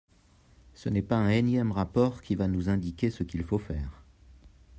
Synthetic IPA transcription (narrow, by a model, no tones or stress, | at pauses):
sənɛpaɛ̃ɛnjɛmʁapɔʁkʲʰivanuzɛ̃d̪ikʲesəkʲilfofɛ̰ːʁ